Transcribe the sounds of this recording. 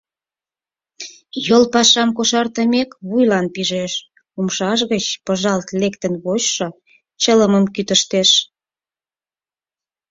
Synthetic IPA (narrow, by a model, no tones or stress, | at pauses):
jolpɑʃɑmkoʃɑrt̪əmekβujlɑnpiʒeʃ | umʃɑʃ̬ɣət͡ɕpəʒɑlt̪lekt̪ə̆nβoɕʃɤ | t͡ɕələməmkyt̪əʃt̪eʃ